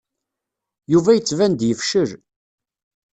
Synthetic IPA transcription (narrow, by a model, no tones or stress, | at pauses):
juvæjət͡sːvænd̪jəfʃəɾ